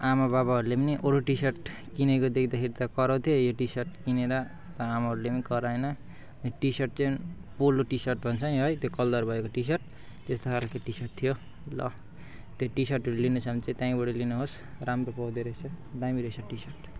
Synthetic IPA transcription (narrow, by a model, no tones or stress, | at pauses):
amabaβaɦʌɾulepʌniʔoɾoʈisʌrʈ | kinekod̪ekʰd̪akʰeɾit̪ʌkʌɾʌ̃t̪ʰjojoʈisʌrʈkineɾʌ | t̪ʌamaɦʌɾulepʌnikʌɾaenʌː | niʈisʌrʈ̚t͡sʌpolːoʈisʌrʈbʱʌnt͡sʰʌniɦʌjt̪jokʌld̪ʌrbʱʌekoʈisʌrʈ̚ | t̪est̪okʰalkeʈisʌrʈ̚t̪ʰijo | lʌ̰ | t̪joʈisʌrʈɾolinesʌmt͡sit̪jãĩbʌɽʌlinoɦos | ramropʌwd̪iɾʌjsʰʌd̪amiɾʌsʰʌʈisʌrʈ